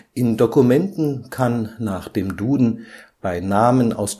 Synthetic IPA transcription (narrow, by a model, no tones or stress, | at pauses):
ʔɪndokumɛntn̩kʰanːaːχd̥eːmduːdn̩b̥aɪnaːmənʔa̰ʊs